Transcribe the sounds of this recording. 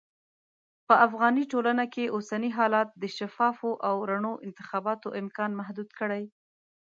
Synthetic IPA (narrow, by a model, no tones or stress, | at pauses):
pəʔafɣɑniʈolanakeʔosaniɦɑlɑt̪̚d̪əʃafɑfoʔawɾaɳoʔɪnt̪ɪ̥xɑbɑt̪oʔɪmkɑnmaɦd̪ud̪kəɽaj